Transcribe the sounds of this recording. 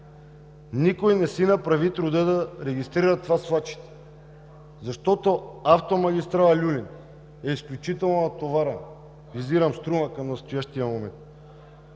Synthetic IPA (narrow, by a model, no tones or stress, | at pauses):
nikojnɛsinapɾavit̪ɾud̪ɛd̪aɾɛɡist̪ɾiɾat̪vasvˠat͡ʃi̥t̪ɛ̥ | zaʃt̪ɔt̪oaft̪omaɡʲist̪ɾaalʲulin | ɛisklʲut͡ʃit̪ɛlˠnonat̪ovaɾɛn | viziɾamst̪ɾumakamnast̪ojaʃt̪ijamomɛnt̪̚